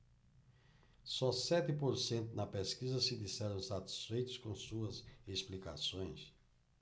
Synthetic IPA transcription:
sɔsɛt̪ɪpoɾsẽnt̪ʊnɐpeskizɐsɪd̪isɛɾɐ̃w̃sat̪i̥sfejt̪ʊskõsuɐzesplika̰sõj̃s

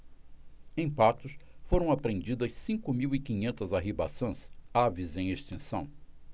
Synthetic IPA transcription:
ẽj̃pat̪ʊsfoɾɐ̃w̃apɾẽnd͡ʒid̪ɐssĩkʊmiwikĩɲẽnt̪ɐzaɦiba̰sɐ̃savizẽj̃eʃt̪ẽsɐ̃w̃

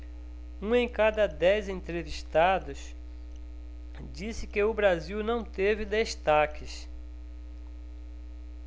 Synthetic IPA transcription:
ũẽj̃kad̪ɐd̪ɛjzẽnt̪ɾeviʃt̪ad̪ʊs | d͡ʒisɪkɪʊbɾaziwnɐ̃w̃t̪evɪd̪eʃt̪akʰɪs

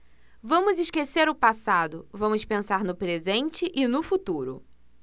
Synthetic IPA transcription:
vɐ̃mʊzɪʃkeseɾʊpasad̪ʊvɐ̃mʊspẽsaɾnʊpɾezẽnt͡ʃɪʔɪnʊfut̪uɾʊ̰

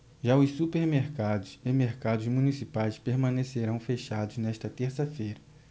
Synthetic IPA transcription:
ʒaʊsːupeɾmeɾkad̪ʊsemeɾkad̪ʊzmunisipajspeɾmɐ̃neseɾɐ̃w̃feʃad̪ʊznɛʃt̪ɐt̪eɾsɐfejɾɐ

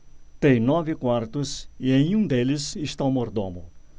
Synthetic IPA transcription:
t̪ẽj̃nɔvɪkwaɾt̪ʊsiẽj̃ũd̪elɪziʃt̪awmoɾd̪õmʊ̰

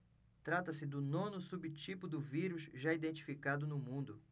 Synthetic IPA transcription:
t̪ɾat̪ɐsɪd̪ʊnõnʊsubit͡ʃipʊd̪ʊviɾʊzʒaid̪ẽnt͡ʃi̥fikad̪ʊnʊmũnd̪ʊ

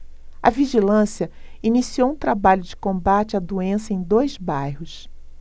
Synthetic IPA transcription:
ɐ̰viʒilɐ̃siɐinisiowũt̪ɾabaʎʊd͡ʒɪkõbat͡ʃɪad̪uẽsɐẽj̃d̪ojzbajhʊs

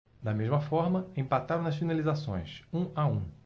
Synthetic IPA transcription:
d̪ɐmezmɐfɔɾmɐẽpat̪aɾɐ̃ɐsfinalizasõ̰j̃sũaũ

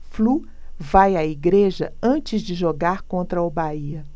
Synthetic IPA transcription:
flu | vajaiɡɾeʒɐɐ̃t͡ʃɪzd͡ʒɪʒoɡaɾkõnt̪ɾɐʊbaiɐ

